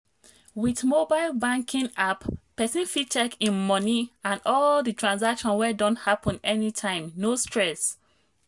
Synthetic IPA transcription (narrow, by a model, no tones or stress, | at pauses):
witmobaɪlˠbãŋkʰĩnappɛsĩnfit͡ʃɛkĩnmɔniãnɔlditʰɹãns̬akʃɔ̃nwɛdɔ̃nthapʰɔ̃nɛnitʰãɪ̃mnostɹɛs